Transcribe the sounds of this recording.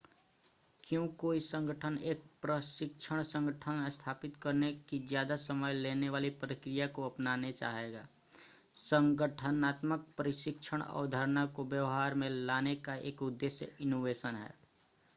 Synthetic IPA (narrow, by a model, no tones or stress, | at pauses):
kjõkoːisə̃ŋɡʱəʈʰəneːk̚pɾəʃɪkʃʰəɽ̃sə̃ŋɡəʈʰənest̪ʰaːpɪt̪kəɾnekid͡ʒjaːd̪asəməjleːneʋaːlipɾəkɾɪjakoəpnaːnet͡ʃa̰ːɦeɡaː | sə̃ŋɡəʈʰənaːt̪mək̚pəɾɪʃɪkʃʰəɽ̃ɔ̰ːɾd̪ʱəɾnakobjəʋɦaːɾmẽlaːnekaʔḛːkʊd̪ːeːʃjə̰ɪnoːʋeːsənɦɛ̰ː